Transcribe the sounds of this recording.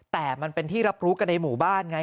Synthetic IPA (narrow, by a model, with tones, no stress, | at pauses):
t̪ɛː˨˩ma˧npe˧nt̪ʰiː˥˩ɾa˦˥p̚ɾuː˦˥ka˧nːa˧jmuː˨˩baː˥˩nŋa˧˥